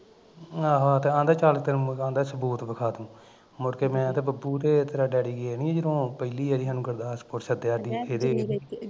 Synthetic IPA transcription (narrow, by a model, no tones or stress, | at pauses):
aːɦãːt̪eːãːnd̪aːt͡ʃaːlkt̪ənãːnd̪aːsəbuːt̪bəkʰaːt̪ũː | mʊɾkeːmɛ̃ːt̪eːbəbuːt̪eːt̪əɾaːɖɛːɽiːɡeːnĩːɛ̃ːd͡ʒəɾõːpəɪliːəɾiːɦaːnũːkəɾd̪aːspoːʈsəd̪eːaːɖiːeːd̪eːni